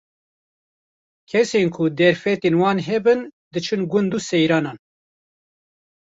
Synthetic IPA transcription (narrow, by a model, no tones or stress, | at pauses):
kʰɛsenkʰʊd̪ɛɾfɛt̪eːnwɑːnɦɛbɨnd̪ɨt͡ʃʰɨnɡʊnd̪uːsɛjɾɑːnɑːn